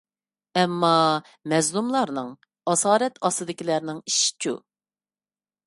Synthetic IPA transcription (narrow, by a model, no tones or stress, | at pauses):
ɛmːɑ | mɛzlˠumlˠɑɾnɨŋ | ɑsɑːɾɛt̪ʰɑsɨd̪ɪkʲilæɾnɪŋiʃi̥t͡ʃʰṵ